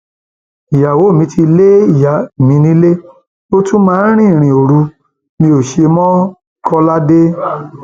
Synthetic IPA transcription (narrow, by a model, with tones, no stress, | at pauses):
i˨ja˨wo˨˦˨mĩ˧ti˧le˦i˦˨ja˨mĩ˧˦nĩ˨˦le˦ | o˦tũ˦mãː˦ɾ̃ĩ˦˨ɾ̃ĩ˨o˨ɾu˧ | mĩ˧o˨ʃe˧mɔ̃˦ | kʰɔ˧la˦de˦